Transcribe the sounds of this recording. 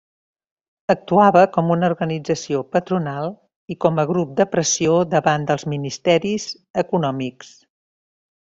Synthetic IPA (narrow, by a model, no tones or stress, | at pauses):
ək̚t̪uaβəkɔmunəuɾɣənid͡zəsiopət̪ɾunalˠ | ikɔməɣɾup̚d̪əpɾəsioðəβand̪əlˠzminist̪ɛɾiz | əkunɔmiks